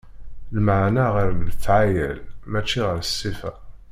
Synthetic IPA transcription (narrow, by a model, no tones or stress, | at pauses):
ləmaʕnæʁəɾθʕajə̰lmæt͡ʃːiʁəɾsːifæ̰